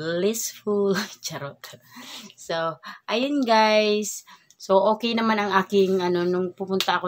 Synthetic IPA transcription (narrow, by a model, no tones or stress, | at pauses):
lisfult͡ʃəɾɔt | soʔajənɡajs | sookenamanaŋakɪŋanɔnʊŋpupunt̪aku